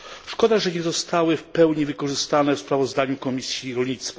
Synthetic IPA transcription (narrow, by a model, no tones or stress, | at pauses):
ʂkɔd̪aʐɛɲɛzɔst̪awɘfpɛwɲivɘkɔʐɘst̪anɛfspɾavɔzd̪aɲukɔmʲisʲjiɾɔlɲit̪st̪fa